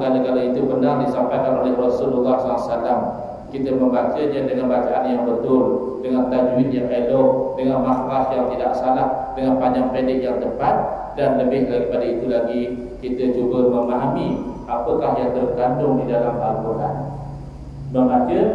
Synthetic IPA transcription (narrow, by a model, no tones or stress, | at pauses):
kaləkalait̪upənaŋdisampajkanolɛhrɔsululːahsɔlasalam | kit̪əməmbat͡ʃəɲədəŋanbat͡ʃaʔanjaŋbət̪ʊl | dəŋant̪ad͡ʒwɪnjaŋelodəŋanmahɾahjaŋt̪idaʔsalahdəŋanpaɲd͡ʒaŋpedɪk̚jaŋt̪əpat̪̚ | danləbɪhlaɡipadait̪ulaɡi | kit̪əd͡ʒubəməmaɦami | apəkahjaŋt̪ərɡandʊŋdidalambaɾkuɾan | bəmbat͡ʃə